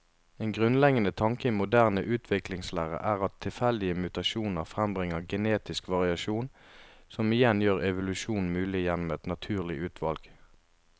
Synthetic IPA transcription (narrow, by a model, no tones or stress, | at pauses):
eːnɡʁʉnlɛɡənət̪ʰɑŋkəimʊd̪æːʁnəʔʉːt̪ʰʋɪklɪŋslæːʁə̰ʔæːʁɑt̪ʰːɪlfɛld̪ɪəmʉt̪ɑʃuːnəʁfʁɛmbʁɪŋəʁɡɛneːt̪ɪskʋɑʁɪɑʃuːnsɔmɪjɛnjøːʁɛʋʊlʉʃuːn̩mʉːlɪjɛnɔmɛt̪nɑt̪ʰʉːʁlɪʔʉːt̪ʰʋɑlɡ̥